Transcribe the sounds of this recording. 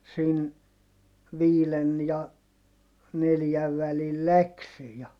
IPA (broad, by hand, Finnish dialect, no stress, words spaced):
siːn ʋiːlen jɑ neljæʋ ʋælil læksi jɑ